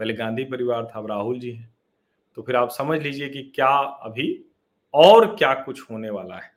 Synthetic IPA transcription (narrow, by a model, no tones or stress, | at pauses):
bɐleɡãːnd̪ʱipɐɾɪʋaːɾt̪ʰaɾaːɦʊld͡ʒiːɦɛ̃ː | t̪opʰɪɾaːpsɐməd͡ʒʱliːd͡ʒiekikjaːɐ̰bʱi | ɔːɾkjaːkʊt͡ʃʰhoːneʋa̰ːla̰ɦɛː